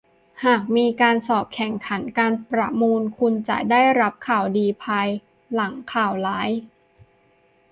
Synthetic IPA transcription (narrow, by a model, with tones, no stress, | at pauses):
haː˨˩k̚miː˧kaː˧nsɔː˨˩p̚kʰɛ˨˩˦ŋkʰa˩˦nkaː˧npɾa˧muː˧nkʰu˧nt͡ɕa̰˨˩ʔdaː˥˩jɾa˦˥p̚kʰaː˨˩wdiː˧pʰa˧j | la˩˦ŋkʰaː˨˩wlaː˦˥j